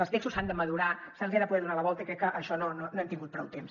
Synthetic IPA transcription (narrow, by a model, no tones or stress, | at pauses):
əlˠst̪ekst̪usand̪əməðuɾasanzɣɛɾðəpuðɛðunaləβɔlˠt̪əikɾɛkːəʔəʃɔnononoɛmt̪iŋɡut̪̚pɾɔwt̪ems